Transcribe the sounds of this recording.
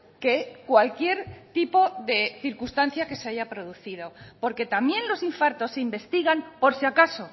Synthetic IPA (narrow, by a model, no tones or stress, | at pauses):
ke̞kwalkje̞ɾt̪ipo̞ðe̞θiɾkust̪an̟θjake̞seaʝapɾo̞ð̞uθið̞o̞po̞ɾke̞t̪amjẽ̞nlo̞siɱfaɾt̪o̞sːeimbe̞st̪iɣampo̞ɾsjakaso̞